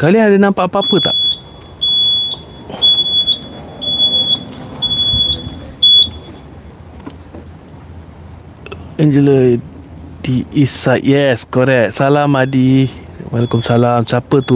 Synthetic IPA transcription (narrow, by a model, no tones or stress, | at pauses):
kalianadənãmpaʔapaapət̪a̰ʔ | ɛnd͡ʒələ | diisaʔjɛskoɾɛk̚salamadi | walakumsalamsapət̪u